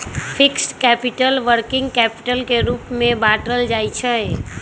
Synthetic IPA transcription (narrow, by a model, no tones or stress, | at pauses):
fʰɪksʈkɛːpɪʈəlʋəɾkɪ̃ŋɡkɛːpɪ̥ʈəlkeɾuːpmẽbaːʈɾəld͡ʒaːit͡ʃʰə